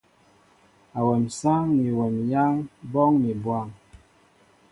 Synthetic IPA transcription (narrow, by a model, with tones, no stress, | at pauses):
a˨wɛ˨msa˦ŋmi˨wɛ˨mja˦ŋbɔ˦ŋmi˨bwa˦˨ŋ